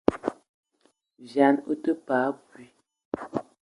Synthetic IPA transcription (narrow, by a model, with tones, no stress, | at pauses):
vja˨˦no˦tə˦paː˨˦bwi˦